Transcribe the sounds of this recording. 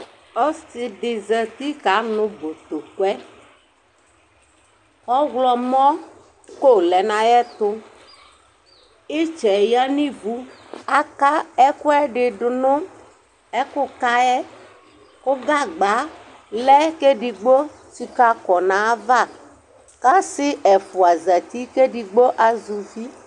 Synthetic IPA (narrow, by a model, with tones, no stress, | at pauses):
ɔ˦si˨ɖɪ˨zɛ˨t̪i˦ka˨˦nʊ̃˨bo˨t̪o˨kɛ˦ | ɔ˦ɣlɔ˨mɔ̃˦ | ko˦lɛ˨nã˨jɛ˦t̪ʊ˦ | i˦t͡ʃɛ˨ja˦nĩ˦vu˦ | a˦ka˦ɛ˦kʊ˦ɛ˦ɖɪ˨ɖʊ˨nʊ̃˦ | ɛ˦kʊ˦ka˦ɛ˦ | kʊ˦ɡa˦ɡ͡ba˨˦ | lɛ˦ke˦ɖi˨ɡ͡bo˦ | si˨ka˦kɔ˨nã˨˦va˦˨ | ka˦sɪ˦ʔɛ˨fu˨a˨za˨t̪i˦ke˦ɖi˨ɡ͡bo˦ʔa˨zu˨fi˦